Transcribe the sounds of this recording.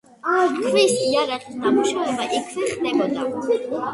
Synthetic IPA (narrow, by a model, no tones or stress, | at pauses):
akʰvɛsiaɾaʁisnamuʃavɛbaʔɛkʰvɛχd̪ɛbɔd̪aɛ